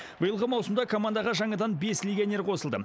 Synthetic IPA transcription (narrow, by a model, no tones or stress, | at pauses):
bʊjəlˠʁəmɑwsəmd̪ɑkʰo̞mand̪ɑʁɑʒɑɴɑd̪ɑnbe̞slʲeɡʲianʲe̞ɾqʰo̞səlˠd̪ə̰